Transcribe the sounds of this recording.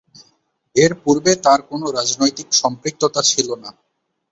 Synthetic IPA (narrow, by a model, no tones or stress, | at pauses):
eɾpuɾbet̪aɾkonoɾad͡ʑnojt̪ikʃɔmpɾik̚t̪ot̪at͡ɕʰilona